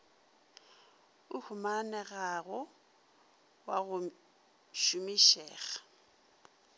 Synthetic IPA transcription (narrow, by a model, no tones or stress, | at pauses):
ʊhʰʊmanɛɣaɣʊ | waɣʊ | ʃʊmiʃɛːɣa